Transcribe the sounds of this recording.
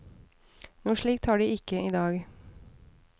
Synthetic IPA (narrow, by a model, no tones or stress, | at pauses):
nuːʂɭiːkt̪hɑːɖiːɪkəʔiːd̪ɑːɡ